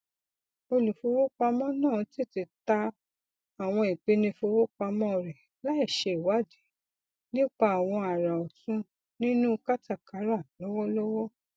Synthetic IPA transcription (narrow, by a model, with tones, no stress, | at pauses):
o˧lu˨fu˧˦wo˦k͡pa˧mɔ̃˦nãː˦˨ti˦˨ti˧ta˧ | a˨w̃ɔ̃˧i˨k͡pe˨˦nĩ˧fo˧wo˦k͡pa˧mɔ̃˦˨ɾɛ˨ | la˦i˦˨ʃe˧i˨wa˨˦di˨˦ | nĩ˦k͡pa˧˦a˨w̃ɔ̃˧a˨ɾa˨ɔ˨tũ˧˦ | nĩ˦nũ˦ka˦ta˦˨ka˨˦ɾa˦˨lɔ˨˦wɔ˦lɔ˦wɔ˦